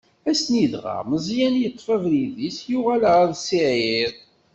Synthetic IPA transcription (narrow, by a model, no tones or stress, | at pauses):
æsniðʁɑ̰ʁməzˤjænjət̪ˤːfævliðisjuʁælʁæðsiʕiðˤ